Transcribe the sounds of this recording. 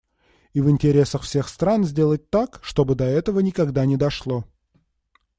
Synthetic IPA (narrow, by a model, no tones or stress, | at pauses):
ivɨnʲtʲɪɾʲe̞səxfsʲe̞xst̪ɾanzʲdʲe̞lˠət̚ʲt̪akʂt̪o̞bɨd̪ɐɛt̪əvənʲɪkɐɡd̪anʲɪd̪ɐʂlˠo̞